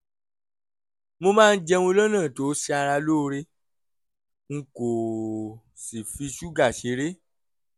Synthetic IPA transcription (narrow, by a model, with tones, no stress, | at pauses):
mõ˧mãː˦˧n̩˦d͡ʒɛ˧ũ˧˦lɔ̃˦nãː˦˨to˨˦si˦a˧ɾa˧loː˦˨˧ɾe˧˦ | ŋ̩˨ko˨ | si˨fi˧ʃu˦ɡa˦˨ʃe˨˧˦ɾe˦